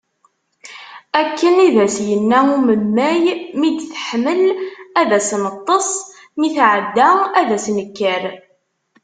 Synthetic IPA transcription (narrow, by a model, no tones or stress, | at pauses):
ækːəniðæsjənːæuməmːæjmid̪θə̥ħməlæðæsnət̪ˤːəsˤ | miθʕəd̪ːaæðæsnəkːəɾ